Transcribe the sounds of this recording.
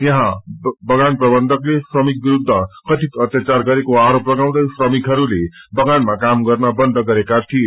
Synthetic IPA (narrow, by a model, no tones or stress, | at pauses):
jʌɦãbʌɡanprʌbʌnd̪ʱʌklesrʌmik̚biɾud̪ʱːʌkʌt̪it̪ʌt̪jat͡sarɡʌɾekoaɾoprʌɡaw̃d̪ʌjsrʌmikɦʌɾulebʌɡanmakamɡʌrnʌbʌnd̪ʱʌɡʌɾekat̪ʰie